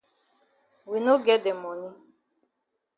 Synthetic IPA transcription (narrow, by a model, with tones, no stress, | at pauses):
wi˨no˦ɡɛ˦dɛ˨mɔ˨ni˦